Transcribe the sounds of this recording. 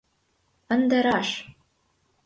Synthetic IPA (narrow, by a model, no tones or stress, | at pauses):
ɤ̆nd̪ɤ̆ɾɑʃ